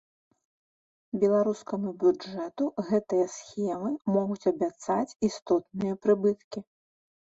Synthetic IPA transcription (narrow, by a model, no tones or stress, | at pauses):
bʲɛlˠaɾuskɐmubʲud͡ʐɛt̪uɣɛt̪ɨjɐsxʲɛmɨmɔɣut͡sʲɐbʲat̪sat͡sʲist̪ɔt̪̚nɨjɐpɾɨbɨt̪kʲi